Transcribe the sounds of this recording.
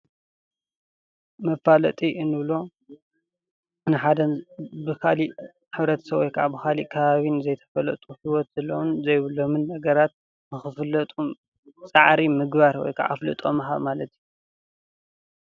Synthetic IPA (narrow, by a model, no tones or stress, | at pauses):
mɐfalɐt̪ʼiʔɨnɨβlo̞ | nɨħad̪ɐbɨkʰali | ħɨβɾɐt̪ʰɐ̥sɐβwɔjkʰaʕa̰bɨxaliʔkʰɐβaβinzɐjt̪ʰɐ̥fɐlɐ̰t̪ʼuhiwɔt̪z̥ɨlownzɐjβɨlomɨnːɐɡɐɾat̪̚ | bɨxɨflɐt̪ʼu | t͡sʼaʕɾimɨɡβaɾwɔ̰jkʰa̰ʕʔa̰flɨ̰t̪ʼo̰mɐɦa̰βmalɐt̪ʰiju